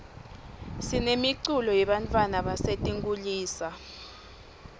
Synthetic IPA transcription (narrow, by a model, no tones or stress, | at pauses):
sinemiǀulɔjɛɓantʼwanaɓasetʼiŋɡʼuliːsa